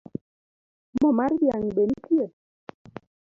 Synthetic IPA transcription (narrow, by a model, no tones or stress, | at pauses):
mɔmaɾbjaŋiɓenitie